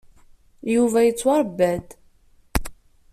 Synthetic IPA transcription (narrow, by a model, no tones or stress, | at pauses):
juvæjət͡sːwɑɾˤbːæd̪